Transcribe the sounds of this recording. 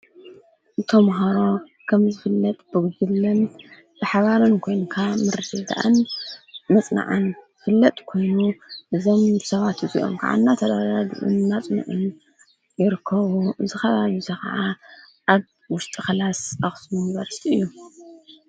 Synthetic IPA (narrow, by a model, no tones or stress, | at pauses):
ʔɨt̪ʰomɦaɾo̞ | kʰɐmzɨfɨlːɐt̪ʼb̥ɨɡd̪ɨβlɨn | b̥ɨħaβaɾɨnkʰo̞jnkʰamɨɾɨt̪ʰɨd̪a̰ʔa̰n | mɐt͡sʼna̰ʕanzɨfɨlːɐt̪ʼkʰo̞jnuʔɨzomsɐβat̪ɨzḭʔo̞̰mkʰa̰ʕa̰nːat̪ʰɐd̪adad̰ʔṵnːat͡sʼnṵʕɨn | jɪɾɨkʰːɐβuʔɨzɨxɐβaβizʰɐxɐ̰ʕa | ʔaβ | wʊʃt̪ʼɨxɐlasaxsmuniβɐɾsi̥t̪ʰiɨ̰jːu